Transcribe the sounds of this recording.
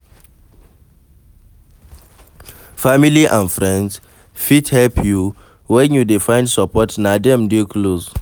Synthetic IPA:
familiʔãnfɹɛ̃nds | fithɛlpʰju | wɛ̃njudefãɪ̃ndsɔpɔtnadɛ̃mdeklos

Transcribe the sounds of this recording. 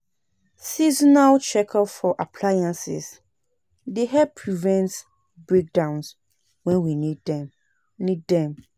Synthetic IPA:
sizɔnalt͡ʃɛkʰalfɔʔapʰlajãnsɪ̰s | deɦɛpʰɹivɛ̃nts | bɹek̚dãʊ̃ns | wɛ̃nwinidɛ̃m | nidːɛ̃m

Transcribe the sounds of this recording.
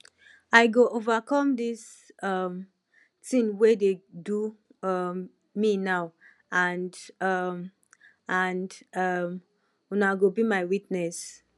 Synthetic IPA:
ajɡoʔovakɔ̃mdis | ɔm | tĩŋwededu | minaʊ | ãndm | andm | unaɡobimajwit̚nɛs

